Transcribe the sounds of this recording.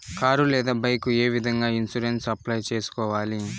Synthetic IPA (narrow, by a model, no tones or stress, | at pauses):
kaːɾulɛːd̪aːbɐjkueːʋid̪ʱɐŋɡaːinsuɾensɐplɐjt͡ʃeːsu̥kɔːʋaːli